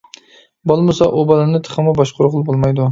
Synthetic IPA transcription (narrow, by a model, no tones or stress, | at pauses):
bolˠmʊsaʔobɒlanɪt̪ʰɨ̥χɨmabɒʃqʰʊɾʊqʊlˠbolˠmajd̪ʊ